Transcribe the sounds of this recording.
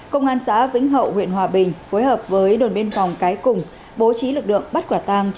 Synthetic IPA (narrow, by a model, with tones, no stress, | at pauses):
kə˧wŋ͡mʔaː˧nsa̰ː˧˥vḭ˧˥ŋ̟ɦə̰˧˨whwḭ˧˨ənɦwaː˨˩ɓï˨˩ŋ̟foː˨˦jɦəː˨˩p̚vəː˨˦jɗo˨˩nɓi˧ənfɔ˨˩wŋ͡mkaː˨˦jkʊ˨˩ŋ͡m | ɓo˨˦t͡ɕi˨˦lɨ˨˩k̚lɨ̰˧˨əŋɓə˦˥t̚kwaː˧˩t̪aː˧ŋ